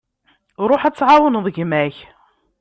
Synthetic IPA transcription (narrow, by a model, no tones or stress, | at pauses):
ɾˤoħæt͡sːʕawənðˤəʝmæç